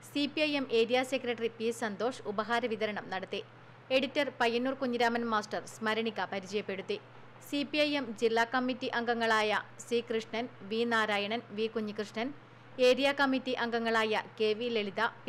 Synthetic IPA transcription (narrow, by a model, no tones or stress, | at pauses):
sipiɐjemʔe̞ːɾijaːsekrɐʈripisɐnd̪o̞ːʂubɐɦaːɾɐʋiðɐɾɐɳɐmnɐɽɐt̪ːi | e̞ɽitːɐrpɐjːɐnːuːrkuɲːiɾaːmɐnmaːsʈɐrsmɐɾɐɳikːɐpɐɾit͡ɕɐjɐpːe̞ɽut̪ːi | sipiɐjemd͡ʑilːaːkɐmːitːiʔɐŋɡɐŋːɐɭaːjɐsriːkrɨʂɳɐnʋiːnaːɾaːjɐɳɐnʋiːkuɲːikrɨʂɳɐn | e̞ːɾijaːkɐmːitːiʔɐŋɡɐŋːɐɭaːjɐke̞ːʋileɭiðɐp